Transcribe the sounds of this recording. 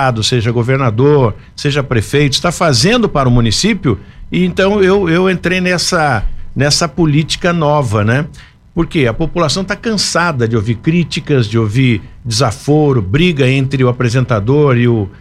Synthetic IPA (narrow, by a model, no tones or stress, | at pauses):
ad̪ʊseʒɐɡoveɾnad̪oɾ | seʒɐpɾefejt̪ʊist̪afazẽnd̪ʊpaɾʊmũnisipjʊ | ɪẽnt̪ɐ̃w̃ewewẽnt̪ɾejnɛsɐnɛsɐpolit͡ʃi̥kɐnɔvɐnɛ | poɾkeɐpopulasɐ̃w̃t̪akɐ̃sad̪ɐd͡ʒɪoviɾkɾit͡ʃikɐzd͡ʒɪoviɾ | d͡ʒɪzafoɾʊbɾiɡɐẽnt̪ɾɪʊapɾezẽnt̪ad̪oɾɪʊ